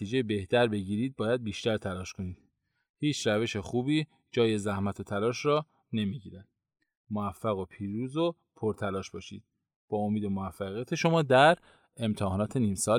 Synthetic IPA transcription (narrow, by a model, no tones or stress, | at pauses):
t̪iːd͡ʒejebe̞ht̪ʰæɾbe̞ɟiːɾiːd̪̚bɒːjæd̪̚biːʃt̪æɾt̪ʰælɒːʃkʰo̞niːd̪̥ | hiːt͡ʃʰɾæve̞ʃe̞xuːbiː | d͡ʒɒːje̞zæhmæt̪ʰo̞t̪ʰælɒːʃɾɒː | ne̞miɟiːɾæd̪̥ | moæfːæɣo̞pʰiːɾuːzo | pʰoɾt̪ʰælɒːʃb̥ɒːʃḭːd̪̥̚ | b̥ɒːomiːd̪o̞moæfːæɣijæt̪ʰe̞ʃo̞mɒːd̪æɾ | e̞mt̪ʰehɒːnɒːt̪ʰe̞niːmsɒː